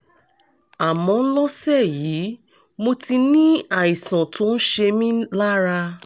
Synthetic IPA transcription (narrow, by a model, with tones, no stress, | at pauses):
a˨mɔ̃˧n̩˦lɔ˦sɛ˦˨ji˨˦ | mo˧ti˧nĩ˦a˨i˨sã˨tʰo˨˦n̩˦ʃe˧mĩ˦la˦ɾa˧